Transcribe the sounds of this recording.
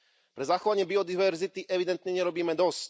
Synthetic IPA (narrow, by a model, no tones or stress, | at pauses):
pɾɛzaxɔʋaɲɪɛbiɔd̪iʋɛɾzit̪iʔɛvʋid̪ɛnt̪ɲɛɲɛɾɔbiːmɛd̪ɔsc